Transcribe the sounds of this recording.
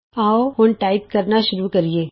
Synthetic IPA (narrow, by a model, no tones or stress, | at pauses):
aːohʊnʈaːɪpkɐɾnaʃʊɾukɐɾieː